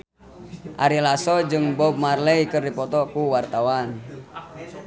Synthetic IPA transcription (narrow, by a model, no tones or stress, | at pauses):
ʔaɾilasɔd͡ʒɨŋbɔb̚marlɛikərdipɔt̪ɔkuwart̪awan